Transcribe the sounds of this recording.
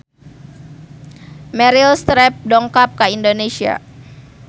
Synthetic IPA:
mɛɾilst̪ɾɛp̚dɔŋkap̚kaindonesia̰

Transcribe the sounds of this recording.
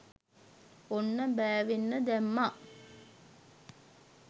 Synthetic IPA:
onːəbæːʋenːəd̪æmːa

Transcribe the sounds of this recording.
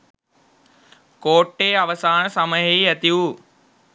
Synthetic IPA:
koːʈːeːɐʋəsaːɽ̃sɐməɦeiɐt̪ijuː

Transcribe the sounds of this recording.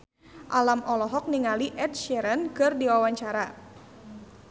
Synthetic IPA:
ʔalamʔɔlɔɦɔk̚niŋaliʔɛt̚ʃɛɾənkɨrdiwawaɲt͡ʃaɾa

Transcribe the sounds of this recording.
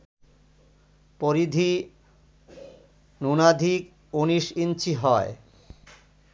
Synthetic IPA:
poɾid̪ʱi | nunad̪ʱik | uniʃint͡ɕiɦɔe

